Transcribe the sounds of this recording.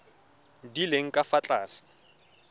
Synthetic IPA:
dileŋ̩kʼafat͡ɬʼaːsɪ̥

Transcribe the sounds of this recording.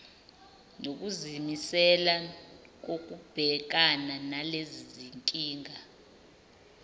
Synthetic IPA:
nok̬uzimisɛla | k̬ok̬ʼub̥ʱɛk̬ananaleziziŋkʼiːŋa

